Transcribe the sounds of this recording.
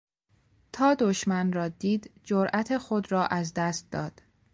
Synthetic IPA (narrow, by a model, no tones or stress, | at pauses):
t̪ʰɒːd̪oʃmænrɒːd̪iːd̪d͡ʒoɾʔæt̪ʰexod̪ɾɒːʔæzd̪æst̪̚d̪ɒːd̪̥